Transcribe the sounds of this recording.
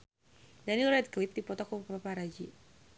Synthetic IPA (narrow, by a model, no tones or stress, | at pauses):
danilrɛd̪̚klɪp̚dipɔt̪ɔkɔpapaɾad͡ʒi